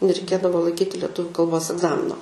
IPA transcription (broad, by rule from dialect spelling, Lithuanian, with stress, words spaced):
nʲɛrʲɛɪˈkʲeːdɐʋoː lˠɐɪˈkʲiːtʲɪ lʲɛˈtʊʋʲʊ kɐlˠˈboːs ɛɡˈzɑːmʲɪnoː